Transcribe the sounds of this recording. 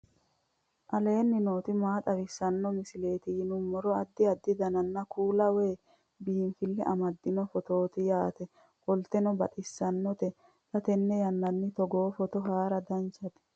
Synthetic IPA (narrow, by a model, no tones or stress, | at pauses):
ʔɐle̞ːnːɪno̞ːt̪ɪmaːt̪ʼɐwɪsːɐnːɔmɪsɪle̞ːt̪ɪjɪnʊmːɔɾɔɐd̪ːɪɐd̪ːɪd̪ɐnɐnːɐkuːlɐwe̞ː | biːnfɪlːɛʔɐmɐd̪ːɪnɔfɔt̪o̞ːt̪ɪjaːt̪ɛ | kɔlt̪ɛnɔbɐt̪ʼɪsːɐnːɔt̪ɛ | t̪ɐt̪ɛnːɛjɐnːɐnːɪt̪ɔɡo̞ːfɔt̪ɔɦaːɾɐd̪ɐnt͡ʃɐt̪ɛ̥